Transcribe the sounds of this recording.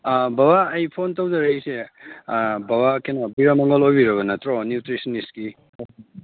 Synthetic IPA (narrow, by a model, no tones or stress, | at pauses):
babaːjpʰontɐwzɐɾeise | babakenɐbiɾamɐŋɡɐlojbiɾɐβɐnɐtɾɔnjutɾisɐniski